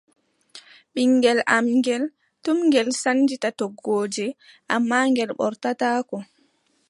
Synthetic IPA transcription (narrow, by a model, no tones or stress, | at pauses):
ɓiŋːɡɛlamŋɡɛl | tumŋɡɛlsand͡ʒitatɔɡoːd͡ʒɛ | ʔamːaːŋɡɛlɓɔ̰ɾtataːkɔ